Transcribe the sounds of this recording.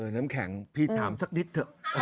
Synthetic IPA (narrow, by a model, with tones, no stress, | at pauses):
əː˨˩t̪naː˦˥mkʰɛ˨˩˦ŋpʰi˧˩t̪ʰːaː˩˦msa˧k̚ni˦˥t̪ʰːɯ˧˩